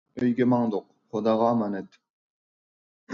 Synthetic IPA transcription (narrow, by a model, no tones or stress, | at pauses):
øjɡʲɛmɑŋd̪oq̚ | χod̪ɑːʁɑmɑnɪt̪